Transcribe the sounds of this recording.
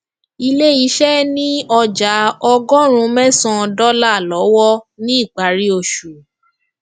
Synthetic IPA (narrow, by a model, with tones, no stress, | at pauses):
i˧le˦i˨˦ʃɛ˦nĩ˦ɔ˧d͡ʒa˨˦ɔ˧ɡɔ̃˦ɾ̃ũ˧mɛ̃˦sɔ̃˧dɔ˦la˦˨lɔ˨˦wɔ˦nĩ˦i˦˨ɡ͡ba˨˦ɾi˦o˧ʃu˨